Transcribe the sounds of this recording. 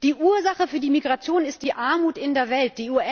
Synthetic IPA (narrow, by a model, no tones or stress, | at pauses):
d̥iːʔuːɐzaχəfyːɐdiːmiɡʁat͡sjoːnɪst̚d̥iːʔaɐmuːtɪndeːɐvɛlt̚d̥iːuɐɛ